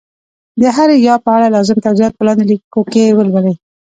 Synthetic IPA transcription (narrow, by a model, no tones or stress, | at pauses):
d̪əɦaɾejɑpəaɽalɑzɪmt̪awzijɑt̪̚pəlɑnd̪elikokewəlwəlej